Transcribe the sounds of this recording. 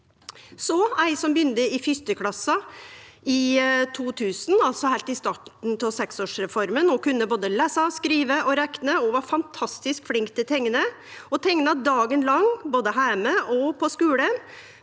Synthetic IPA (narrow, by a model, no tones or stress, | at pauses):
sɔæɪsɔmbjʏnd̪əɪfʏst̪əkʰlɑsːɑ | ɪt̪ʰuːt̪ʰʉːsn̩ɑlt̪sɔhæɪlt̪ɪst̪ɑːʈɳ̩t̪ʰɔsɛksoːʂɾɛfɔɾmənɔkʉnːəboːd̪əlæːsɑskɾiːʋəʔɔɾɛknəɔʋɑɾfɑnt̪ʰɑst̪ɪskflɪŋkt̪ʰːɪlt̪ʰɛŋːənə | ɔt̪ʰɛŋnɑd̪ɑːɡənlɑŋboːd̪əɦæːməʔɔpʰɔskʉːlə